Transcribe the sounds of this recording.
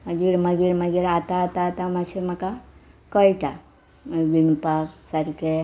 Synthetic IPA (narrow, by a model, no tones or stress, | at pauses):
mɐɡiɾmɐɡiɾmɐɡiɾat̪at̪at̪amat͡ʃemakakɔiʈa | ʋinpaksɐɾke